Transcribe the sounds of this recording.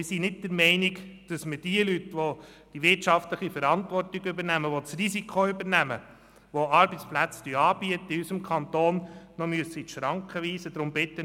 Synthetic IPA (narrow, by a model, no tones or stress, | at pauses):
mɪsinɪt̚dəɾmɛɪnikd̥ɑsmɪd̥iəlytʋo | d̥iʋɪrtt͡ʃɑftləχifəɾɑnt̪ʋɔrtiɡʏbəɾnæməʋot͡srisikχoʏbəɾnæmə | ʋoɑɾbət͡splæt͡styɑːb̥iət̪ːəiysəmkχɑnt̪oːnnɔmyəsəit̪ʃɾɑŋkʰχəʋiːsəd̪ɾʊmbɪtːə